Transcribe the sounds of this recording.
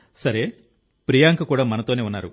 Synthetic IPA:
sɐɾe | pɾijaːŋkɐkuːɽaːmɐnɐt̪one̞ːunːa̰ːɾu

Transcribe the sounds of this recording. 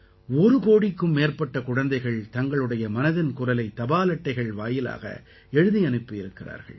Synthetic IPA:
ɔɾɯkoːɽɪkːɯmːeːrpɐʈːɐkʊɻɐnd̪ɐɪɣɐɭt̪ɐŋɡɐɭɯɽɐjɐmɐnɐðɪnkʊrɐlɐɪt̪ːɐbaːlɐʈːɐɪɣɐɭʋaːjɪla̰ːɣɐ̰ | ɛɻɯðiɐnɯpːɯjɪɾɯkːɪra̰ːɾɣɐ̰ɭ

